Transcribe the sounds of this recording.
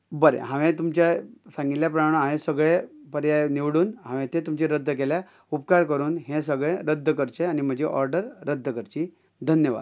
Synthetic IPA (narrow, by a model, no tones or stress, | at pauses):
bəɾḛɦãʋẽt̪umt͡ɕasãŋɡit̪ljapɾəmaɳəɦãʋẽsəɡɭepəɾjaniʋɽuːnɦãʋẽt̪et̪umt͡ɕeɾəd̪ʱːək̬elja | up̚kaɾkəɾuːnɦẽs̬əɡɭẽɾəd̪ʱːəkəɾt͡ɕeanim̤əd͡ʑeʔɔɾɖəɾːəd̪ʱːəkəɾt͡ɕiː | d̪ʱənjəʋa̰d̪